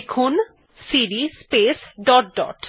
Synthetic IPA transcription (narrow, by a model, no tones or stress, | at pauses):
kʰun | siɾispesɖɔʈ̚ɖɔ̰ʈ